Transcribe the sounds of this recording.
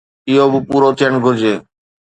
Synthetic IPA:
ɪɦoːbɪpuːɾoːt̪ʰijəɳ̃ɡʱʊɾd͡ʑeː

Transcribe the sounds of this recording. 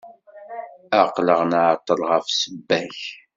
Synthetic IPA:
aqləʁnaʕt̪ˤːəlʁəfsəbːæç

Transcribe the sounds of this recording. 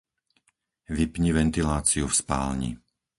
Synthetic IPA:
ʋipɲiʋɛnt̪ilaːt͡siufspa̰ːlɲḭ

